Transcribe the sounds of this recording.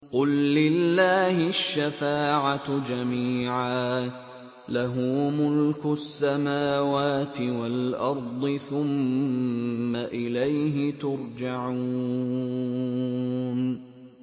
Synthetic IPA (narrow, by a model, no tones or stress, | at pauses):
qʊlːɪlːaːhɪʃːafaːʕad͡ʒamiːʕaː | laɦʊmʊlkʊsːamaːwaːt̪ɪwalʔɑɾˤd̪ˤɨθʊmː | aʔɪlajɦɪt̪ʊɾˤd͡ʒaʕu | n